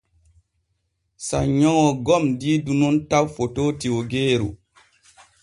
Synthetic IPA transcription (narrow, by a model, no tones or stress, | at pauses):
saɲɔ̃ɔɡɔmdidunontawfotoːtiwoɡeːɾṵ